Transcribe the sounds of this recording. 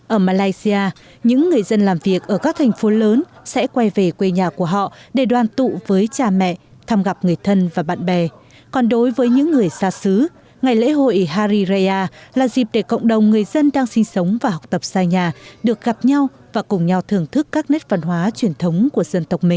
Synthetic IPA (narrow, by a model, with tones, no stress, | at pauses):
ʔəː˧˩maː˧laː˧jsi˧aː˧ | ɲɨ̰˧˥ŋːɨ˨˩əjzə˧nlaː˨˩mvi˨˩ək̚ʔəː˧˩kaː˦˥k̚t̪ʰjŋ̟fo˨˦ləː˨˦nsɛ̰˧˥kwa˧jve˨˩kwe˧ɲaː˨˩ku˧˩əɦɔ̰˧˨ʔɗe˧˩ɗwaː˨˩nt̪ṵ˧˨vəː˨˦jt͡ɕaː˧mɛ̰˧˨ | t̪ʰaː˧mɣa˨˩p̚ŋɨ˨˩əjt̪ʰə˧nvaː˨˩ɓa̰ː˧˨nɓɛ˨˩ | kɔ˨˩nɗo˨˦jvəː˨˦jɲɨ̰˧˥ŋːɨ˨˩əjsaː˧sɨ˨˦ | ŋa˨˩jlḛ˧˥ɦo̰˧˨ʔi˨˩ɦaː˧ɾi˧za˧aː˧laː˨˩zi˨˩p̚ɗe˧˩kə̰˧˨wŋ͡mɗə˨˩wŋ͡mŋɨ˨˩əjzə˧nɗaː˧ŋsï˧ŋsə˨˦wŋ͡mvaː˨˩ɦɔ˨˩wk͡p̚t̪ə˨˩p̚saː˧jɲaː˨˩ɗɨ˨˩ək̚ɣa˨˩p̚ɲa˧w | vaː˨˩kʊ˨˩ŋ͡mɲa˧wt̪ʰɨ˨˧˩əŋt̪ʰɨ˦˥kːaː˦˥k̚ne˦˥t̚və˧˩nɦwaː˨˦t͡ɕwi˧˩ənt̪ʰə˨˦wŋ͡mku˧˩əzə˧nt̪ə˨˩k͡p̚mï˨˩ŋ̟